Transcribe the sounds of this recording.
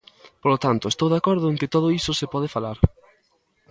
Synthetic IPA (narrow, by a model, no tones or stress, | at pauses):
polot̪ant̪ʊest̪owðakɔɾðʊeŋkɪt̪oð̞oisosepɔð̞ɪfalaɾ